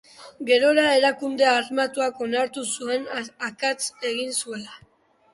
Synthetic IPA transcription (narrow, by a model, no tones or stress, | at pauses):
ɡe̞ɾo̞ɾae̞ɾakund̪e̞armat̪uako̞naɾt̪usue̞nakat͡se̞ɣinsue̞la